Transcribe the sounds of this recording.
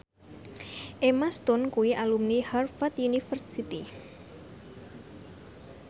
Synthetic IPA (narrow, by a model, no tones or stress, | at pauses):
ʔemast̪ʊnkuwiʔalumniharfat̪junifərsit̪i